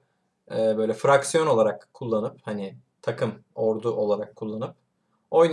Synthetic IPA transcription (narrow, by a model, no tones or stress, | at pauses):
ɛːbø̞jlʲɛfɾaksijo̞no̞lˠaɾakʰːulˠːanɯphanɪ | t̪ʰakʰɯmo̞ɾd̪uʔo̞lˠaɾakʰːulˠːanɯp̚ | o̞jn